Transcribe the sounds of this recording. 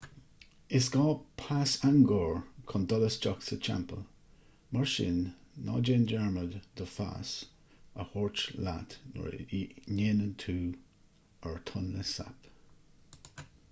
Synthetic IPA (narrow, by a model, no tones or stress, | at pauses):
ɪsɡ̥ɔːpʰasaŋɡɔːɹkʰɔndɔləst͡ʃɔksət͡ʃʰa̰mpəl | maɹʃɪ̰nːɔ̰ːd͡ʒɛnd͡ʒɛɹmədd̪əfa̰s | əhɔɹt͡ʃla̰t̪nɔ̰ɹneːnəntʰuː | əɹtʰʊnːəsa̰p